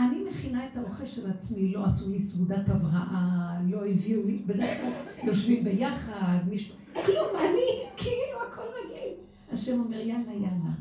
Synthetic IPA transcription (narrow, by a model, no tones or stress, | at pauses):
animeχinaetao̞χelʃelat͡smilo̞asulisuɡud̪at̪avʁaʔalo̞eviulibed̪eʁeklaljo̞ʃvimbe̞jaχad̪miʃu | klumanikʰiiluakʰolmaɡin | aʃemo̞meʁjanajana